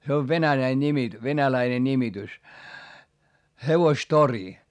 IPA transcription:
se oʋ ʋenælæi nʲimi ʋenælæine nʲimitys heʋostori

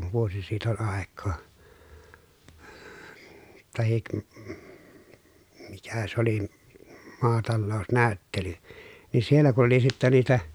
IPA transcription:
ʋuosi siːt ol ɑˑekˑoː tɑhik mikæ s oli mɑːtɑlːoˑu̞snæˑy̞tːely ni sielːæ ku oli sitːæ niːtæ

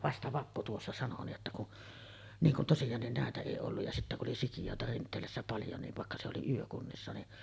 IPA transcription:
ʋɑstɑ ʋɑpːu tuosːɑ sɑno niːʔ ʔetːæ kun niŋ kun tosijɑːnːin næˑetæ eˑi olːuj jɑ sitːæ kuʔ ʔoli sikijoˑetɑ rintˑeːlæsːæ pɑljo niʋ ʋɑˑekːɑ se oli yøkunːisːɑ ni

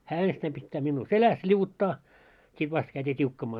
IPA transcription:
hæː enstæim pitːæː minːuː selæs lʲiuʋutːɑː sit ʋɑst kæytʲiː tʲiukːɑmɑː

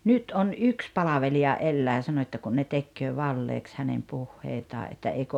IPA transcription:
nyt on yks pɑlɑʋeliɑ elːæː sɑnoĭ etːæ kun ne tekːøː ʋɑlːeːks hænem puhːeitɑː ʔetːæ eiko

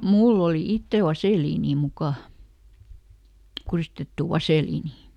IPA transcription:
mulː oli itːel̆ ʋɑseˑliːniː mukɑˑ kuriˑstetːuˑ ʋɑseˑliːniˑ

